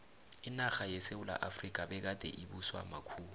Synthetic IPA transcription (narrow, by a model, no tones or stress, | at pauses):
ɪnaxajɛseula̰ʔafrikʼabɛk̬ad̥ʱɛ̰ʔibuswa̰makʰuːlu